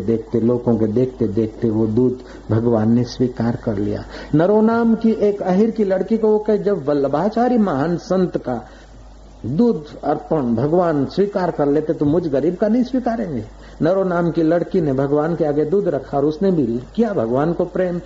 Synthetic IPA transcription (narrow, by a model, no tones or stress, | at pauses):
d̪eːkʰt̪eloːɡõked̪eːk̚ʰt̪ed̪eːkʰt̪eʋod̪uːd̪ʱ | bʱɐɡʋaːnːeswiːkaːɾkɐɾlḭja̰ːnɐɾonaːmkiʔeːkɐɦɪɾkilɐɽkikookɛd͡ʒɐbːɐləbaːt͡ʃaːɾimaɦənsə̃nt̪ka | d̪uːd̪ʱɐɾpəɳbʱɐɡʋaːnswiːkaːɾkɐɾleːt̪et̪omʊd͡ʒʱɣɐɾiːb̚kanɐɦĩswiːkaːɾẽːŋɡeː | nɐɾonaːmkilɐɽkinebʱɐɡʋaːnkeaːɡed̪uːd̪ʱɾɐkʰaɔːɾʊsnebʱikijabʱɐɡʋaːnkopɾeːm